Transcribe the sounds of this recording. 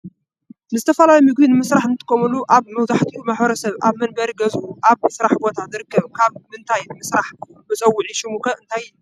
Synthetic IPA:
nɨzɨt̪ʰɐfɐlalumɨɡ̚dinɨmɨsɾaħnɨt̪ʰɨ̥kʰːomɐluʔaβmɐwt̪ʰaħt̪ʰiumaħbɐɾɐsɐβa̰βmɐnbɐɾiɡɐzʔuʔaβmɨsɾaħbo̞t̪ʰazɨɾɨkʰːɐβkʰaβmɨnt̪ʰajnɨmɨsɾaħbɨt͡sʼɐwːʊʕiʃɪmukʰɐɨnt̪ʰajː

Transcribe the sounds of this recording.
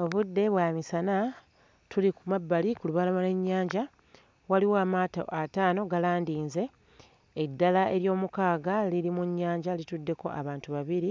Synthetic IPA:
o̞βudːe̞βwaːmisana | tulikumabːalikuluβalamale̞ɲːaːɲɟa | waliwoamaːto̰ʔataːno̞ɡalaːndiːnze̞ː | dːalaʔe̞ɾjo̞ːmukaːɡalilimuɲːaːɲɟalitudːe̞ko̞̰ʔa̰βaːntuβaβiɾi

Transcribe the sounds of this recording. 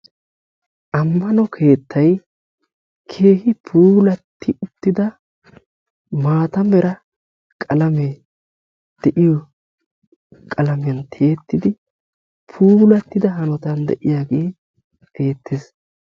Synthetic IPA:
ʔɐmːɐnɔkʰe̞ːt̪ːɐj | kʰe̞ːhɪpʰuːlɐt̪ːɪʊt̪ːɪd̪ɐ | maːt̪ɐmɛɾɐ | kʼɐlɐmɛ | d̪̥ɛʔɪjɔ | kʼɐlɐmɛnt̪ʰeːt̪ːɪd̪ɪ | pʰuːlɐt̪ːɪd̪ɐɦɐnɔt̪ɐnd̪ɛ̰ʔɪjaːɡe̞ː | e̞ːt̪ːes

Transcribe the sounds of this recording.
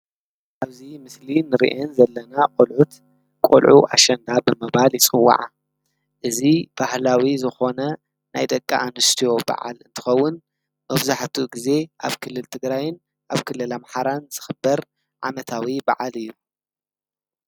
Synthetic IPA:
ʔaβzimɨslinɨɾḭʔenzɐlːɐnakʼolʕut̪ | kʼo̰lʕuʔa̰ʃɐnd̪abɨmɐβaljɪsʼɨwːa̰ʕa | ʔɨzib̥ahlawizɨxo̞nɐ | na̰jd̪ɐkʼːa̰ʔanɨst̪ʰijo̞ba̰ʕa̰lɨnt̪ʰɨ̥xɐwːʊn | mɐβzaħt̪ʰuɡize̞ʔa̰βkʰɨlːɨlt̪ʰɨɡɾajɪn | ʔaβkʰɨlːɨlamħaɾanz̥ɨxɨbːɐɾ | ʕa̰mɐt̪ʰawiba̰ʕalɨjːu

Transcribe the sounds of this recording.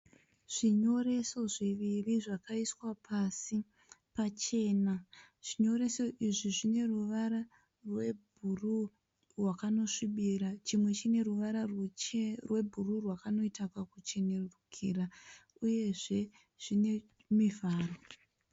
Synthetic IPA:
ʐ̥iɲo̞ɾe̞so̞ʐiʋiriʐakaiswapʰasi | pat͡ʃe̞ːna | ʐ̥iɲo̞ɾe̞so̞ʔiʐiʐine̞ruʋara | rwebʱuru | rwakano̞ʂiɓiɾat͡ʃimwe̞t͡ʃine̞ruʋaɾar | rwe̞bʱururwakano̞itakakut͡ʃe̞ne̞rurukʰiɾa | uje̞ʐe̞ | ʐ̥ine̞ | mivaːro

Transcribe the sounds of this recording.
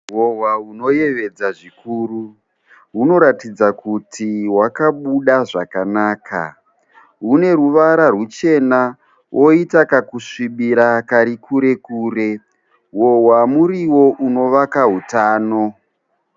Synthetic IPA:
wo̞ɦwauno̞je̞ʋe̞d͡zaʐikuːru | ɦuno̞ɾatid͡zakutʰiɦwakaɓuɗaʐakanaːkʰa̰ | ɦune̞ruʋaɾarut͡ʃe̞na | wʔo̞itakakuʂiɓiɾakaɾikʰuɾe̞kuːɾe̞ | wo̞ɦwamuriwo̞ʔuno̞ʋakaɦutaːno̞

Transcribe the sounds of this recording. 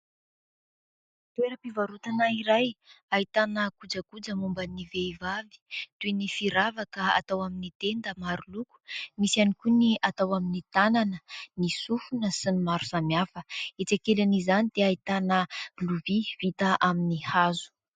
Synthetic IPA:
t̪ueɾəpivaɾut̪anaiɾajait̪anəkud͡zəkud͡zəmumbəniveivavi̥t̪uinifiɾavakəa̰t̪awaminit̪end̪əmaɾuluku̥misianikuniʔat̪awaminit̪ananənisufunəsinimaɾu̥samjafəet͡sakelanizanid̪̥eait̪anəluviv̥it̪əʔaminihazu̥

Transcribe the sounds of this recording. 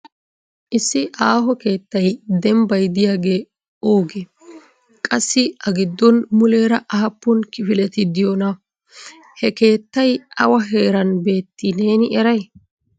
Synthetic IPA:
ʔɪsːɪʔaːɦɔke̞ːt̪ːɐjd̪ɛmbɐjd̪ɪjaːɡe̞ː | oːɡɛ | kʼɐsːɪɐɡɪd̪ːɔnmʊle̞ːɾɐʔɐhɐpːʊnkɪfɪlɛt̪ɪd̪ɪjɔnɐ | hɛke̞ːt̪ːɐjɐwɐɦe̞ːɾɐnbe̞ːt̪ːɪne̞ːnɪɛɾɐj

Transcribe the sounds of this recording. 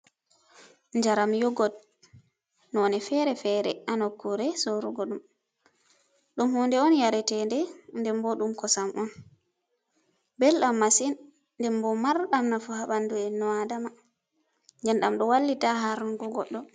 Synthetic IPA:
ɲd͡ʒaɾamjɔɡɔt | nɔnɛfɛɾɛfɛɾɛ̰ʔanɔkːuɾɛsɔɾuɡɔɗum | ɗumhɔndɛɔnjaɾɛtɛndɛndɛmbɔɗumkɔsamʔɔn | bɛlɗamːasinː | dɛmbɔmaɾɗamnafuhaɓanduɛnɔadama | nd͡ʒɛnɗamɗɔwalːitaɦaɾnɡɔɡɔɗːɔ

